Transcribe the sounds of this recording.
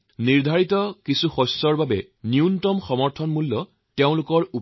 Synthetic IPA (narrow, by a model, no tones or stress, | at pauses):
niɹdʱaɹitɔkisuxɔsːɔɹbabɛ | niuntɔmxɔmɔɹtʰɔnmulːɔ | teʊ̃lʊkɔɹup